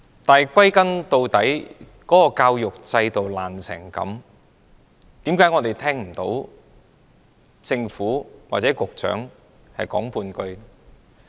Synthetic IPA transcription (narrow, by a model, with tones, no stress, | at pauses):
t̪aː˨jkʷɐ˥jkɐ˥nt̪o˧wt̪ɐ˨˥j | kɔː˨˥kɔː˧kaː˧wjʊ˨k̚t͡sɐ˧jt̪o˨wlaː˨˩nsʰɛː˨˩ŋkɐ̰˨˥m | t̪i˨˥mkaː˨˥jŋɔː˨˧t̪e˨jt̪ʰɛː˥ŋm̩˨˩t̪o̰˨˥w | t͡sɪ˧ŋfuː˨˥wa̰ː˨t̚t͡sɛː˨˥kʊ˨k̚t͡sœ̰ː˨˥ŋ | hɐ̰˨jkɔː˨˥ŋpʰuː˧nkɵ˧ɥ